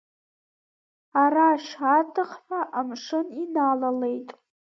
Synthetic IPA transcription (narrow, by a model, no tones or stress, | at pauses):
araʃatʰɨχħaʔamʂɨninalale̞jtʼ